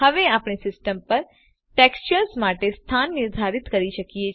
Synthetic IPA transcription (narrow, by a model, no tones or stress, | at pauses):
əʋeapɳ̃isɪsʈəmpəɾ | ʈekst͡ʃəɾsmaʈest̪ʰanːɪɾd̪ʱaɾit̪kəɾiʃəkije